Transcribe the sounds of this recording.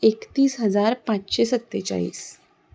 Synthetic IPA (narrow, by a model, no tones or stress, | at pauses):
ekt̪iːsɦəd͡zaɾpãt͡ɕɕesət̪ːet͡ɕa̰ḭːs